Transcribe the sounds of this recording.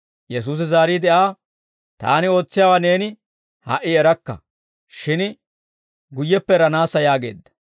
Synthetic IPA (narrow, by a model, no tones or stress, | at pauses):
jɛs̬uːs̬ɪzaːɾiːd̪ɛʔaː | t̪a̰ːnɪo̞ːt͡sːɪjaːwaːne̞ːnɪ | ha̰ʔɪɛɾɐkːɐ̰ | ʃɪn | ɡʊjːɛpːɛɾɐnaːsːɐjaːɡeːd̪ːɐ̥